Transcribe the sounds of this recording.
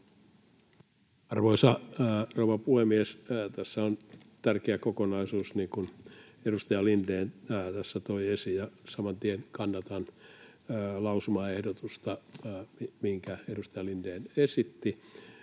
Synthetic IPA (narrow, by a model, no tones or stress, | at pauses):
ɑrʋoisɑrouʋɑpuhemiest̪æsːæont̪ærkeækokonɑisuːsniːŋkun | edust̪ɑjɑlindeːnːt̪æsːæt̪oiesijɑsɑmɑnt̪ienkɑnːɑt̪ɑnː | lɑusumɑehdot̪ust̪ɑmimihiŋkæedust̪ɑjɑlindeːnesit̪ːi